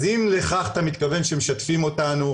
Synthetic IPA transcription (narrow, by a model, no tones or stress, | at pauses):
zimle̞χaχat̪amit̪kave̞nʃemeʃatfimo̞tanu